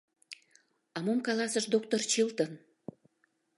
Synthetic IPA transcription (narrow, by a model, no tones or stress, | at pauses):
ɑmomkɑlɑsəʃd̪ok̚t̪ort͡ɕilt̪ən